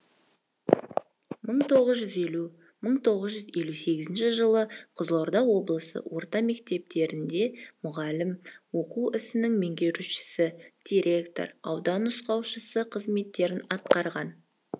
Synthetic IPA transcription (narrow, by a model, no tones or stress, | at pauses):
məɴt̪ʰo̞ʁəzʒʏze̞lu | məɴt̪ʰo̞ʁəzʒʏze̞luse̞ɡʲɪzɪnʃɪʒəlˠəqʰəzlˠoɾd̪ɑwo̞blˠəsə̰wʔo̞ɾt̪ɑme̞kt̪e̞p̚t̪e̞ɾɪnd̪e̞mʊʁɑlɪmwo̞quɪsɪnɪŋme̞ŋɡʲe̞ɾuʃɪ̥sɪd̪̥iɾʲe̞kt̪o̞̰ɾɑwd̪ɑnʊsqɑwʃəsəqʰəzme̞t̪ːe̞ɾɪnɑt̪qɑɾʁɑn